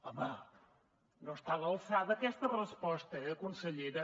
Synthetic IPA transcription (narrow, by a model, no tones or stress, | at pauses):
ɔmə | nost̪aβəlˠsaðəːkɛst̪ərəspɔst̪əɛəkunsəʎeɾə